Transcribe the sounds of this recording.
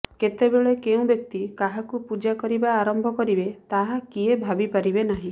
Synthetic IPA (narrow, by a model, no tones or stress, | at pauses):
ket̪ebeɭekeũbjɔk̚t̪ikaɦakupud͡ʒakɔɾibaːɾɔmbʱɔkɔɾibet̪aɦakiebʱabipaɾibenaɦĩ